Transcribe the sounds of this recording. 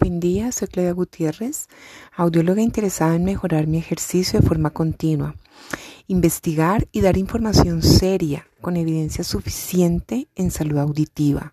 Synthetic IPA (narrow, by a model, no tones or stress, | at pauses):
fend̪iaseɾkleðaɣut̪je̞re̞sawd̪jo̞lo̞ɣaint̪e̞ɾe̞saðaenme̞xo̞ɾaɾmie̞xe̞ɾsisjoðefo̞ɾmako̞nt̪inwa | imbe̞st̪iɣaɾiðaɾiɱfo̞ɾmasjo̞nse̞ɾjako̞ne̞βiðe̞nsjasufi̥sje̞nt̪e̞ːnsaluðawd̪it̪iβa̰